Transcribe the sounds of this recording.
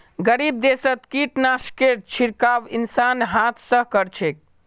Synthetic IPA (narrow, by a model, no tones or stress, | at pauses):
ɡəɾib̚d̪esət̪kiʈnaskeɾt͡ʃʰiɾkaʋinsanɦat̪ʰsə̃ɦkəɾt͡ʃʰek̚